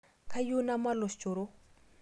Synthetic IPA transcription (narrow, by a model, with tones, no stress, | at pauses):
kʰa˦ju˦na˦ma˦lo˨st͡ʃʼo˨ɾo˦